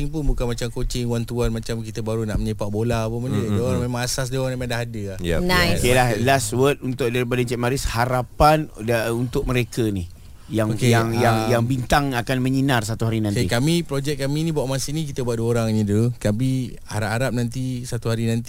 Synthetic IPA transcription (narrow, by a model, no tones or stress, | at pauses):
ɪŋpʊnbukanmat͡ʃamkot͡ʃɪŋwaŋt̪uanmat͡ʃamkit̪əbaɾunaʔməɲəpaʔ̚bolapunmanədoɾaŋmemãŋasas̬dioɾanamaŋdaɦadəahjnakiəlahlaswət̪̚unt̪ʊʔ̚daɾipadat͡ʃɛʔ̚maɾɪshaɾapanaunt̪ʊʔ̚məɾekanih | jaŋkjaŋjaŋjaŋbint̪aŋakanmə̃ɲinars̬at̪uɦaɾinãnkikamipɾod͡ʒɛʔk̚kːaminĩbuaʔmasinĩk̬it̪əbuat̪̚duəoɾaŋnidukapi | a̰ɾaʔaɾap̚nãnt̪̬isat̪uɦaɾinant̪i